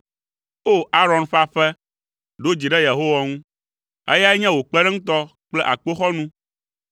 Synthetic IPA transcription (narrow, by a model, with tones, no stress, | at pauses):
o˦a˦ɾɔ̃˨nɸa˦ɸɛ˦ | ɖo˦d͡ʑi˨ɖɛ˦je˨ɦo˦wa˨ŋũ˦ | ḛ˦ja˦ɛ˦ɲɛ̃˦wo˨k͡pɛ˦ɖɛ˦ŋũ˦t̪ɔ˦k͡plɛ˦ʔa̰˨k͡po˦xɔ˦nũ˦